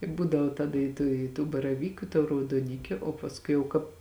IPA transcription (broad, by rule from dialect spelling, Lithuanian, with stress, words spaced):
ɪ ˈbuːdɐʋoː ˈtɑːdɐ ɪ ˈtuː ɪ tuː bɐrɐˈʋʲiːkʊ ɪ tuː rɐʊdoːˈnʲɪkʲʊ oː pɐsˈkʊɪ jɛʊ ˈkɑːp